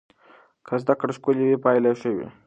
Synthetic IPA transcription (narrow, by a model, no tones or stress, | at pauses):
kʰazd̪akɽʃkuljewepɑjlaʃəwḭ